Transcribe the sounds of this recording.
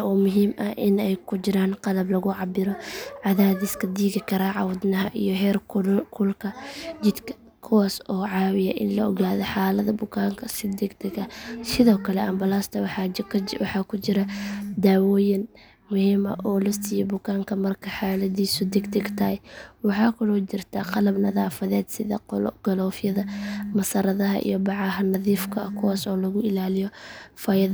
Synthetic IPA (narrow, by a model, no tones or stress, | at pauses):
ɔːmʊɦiːmʔɐhʔɪnɛjkʰʊd͡ʒɪɾaːnqɑlɐblɐɣʊʕɑbɪɾɔʕɑðaːðɪskʰɐd̪iːɣɪkʰɐɾaːʕɑwʊd̪nɐɦɐʔijɔɦɛːrkkʰʊlkʰɐd͡ʒɪd̪kʰɐ̥ | kʰʊwaːsɔːʕɑːwɪjɐ̰ʔɪnlɐɔɣaːðɔħɑːlɐðɐbʊkʰaːŋkʰɐsɪd̪ɛɡd̪ɛɡɐsɪðɔːkʰɐlɛʔɐmbɐlaːst̪ʰɐw | wɑħɑːkʰʊt͡ʃɪɾɐd̪aːwɔːjɪn | mʊhiːmɐ̰ʔɔːlɛst̪ʰɪjɔbʊkʰaːŋkʰɐmɐrkʰɐħaːlɐðiːsʊd̪ɪɡd̪ɪɡt̪ʰɐɐjwɑħɑːkʰʊɽɔt͡ʃɪrt̪ʰaːqɑlɐbnɐðaːfɐðɛːd̪sɪðɐ̰ɡ̥ɐlɔːfjɐðɐmɐsɐɾɐðɐɦɐ̰ʔḭjɔbɑʕɑɦɐnɐðiːfkʰɐkʰʊwaːsɔːlɐɣʊɪlaːlɪjɔfɐjɐð